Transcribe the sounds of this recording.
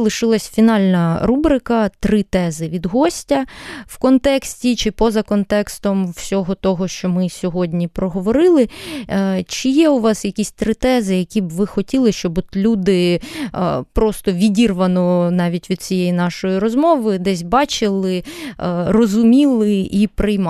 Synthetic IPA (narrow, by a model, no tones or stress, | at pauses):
lˠɪʃɪlˠɐsʲfʲinɑlʲnɐɾubɾɪkɐt̪ɾɪt̪ɛzɪʋʲid̪ɦɔsʲtʲɐwkɔnt̪ɛksʲtʲit͡ʃɪpɔzɐkɔnt̪ɛkst̪ɔmwsʲɔɦɔt̪ɔɦɔʃt͡ʃɔmɪsʲɔɦɔdʲnʲipɾɔɦɔʋɔɾɪlˠɪ | t͡ʃɪjɛʊʋɑsjɐkʲisʲt̪ɾɪt̪ɛzɪjɐkʲibʋɪxɔtʲilˠɪʃt͡ʃɔbɔt̪lʲud̪ɪ | pɾɔst̪ɔʋʲidʲirʋɐnɔnɑʋʲitʲʋʲid̪̥̚t͡sʲijɛjinɑʃɔjiɾɔzmɔʋɪd̪ɛsʲbɑt͡ʃɪlˠɪ | rɔzʊmʲilˠɪʔipɾɪjm